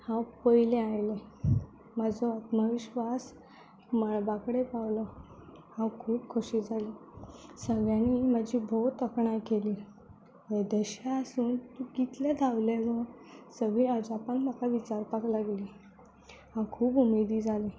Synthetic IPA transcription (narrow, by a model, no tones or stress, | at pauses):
hãwpəjlẽajle | mad͡zʱɔat̪maʋiɕʋas | məɭbakɽepawlɔ | hãwkʰuːpkʰuɕiːd͡zʱaliːsəɡjãniməd͡ʑʱiːbʱot̪əkɳajkeliː | ed̪əɕaəsuːnt̪uɡit̪lad̪ʱawleʋə | səɡɭiəd͡ʑapanm̤akaʋit͡ɕaɾpaklaɡliː | hãwkʰuːpumed̪iːd͡zʱali